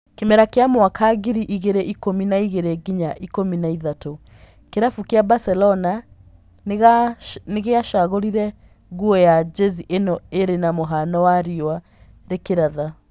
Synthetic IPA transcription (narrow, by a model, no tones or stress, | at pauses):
kemɛɾakeamwakʰaɣiɾiʔiɣeɾeʔikominaiɣeɾeɡiɲaʔikominaiðato | keɾafukeabasɛlɔna | neɣeaʃaɣoɾiɾɛ | ɣuɔjad͡ʒeziʔenɔeɾenamoɦanɔwaɾiɔa | ɾekeɾaða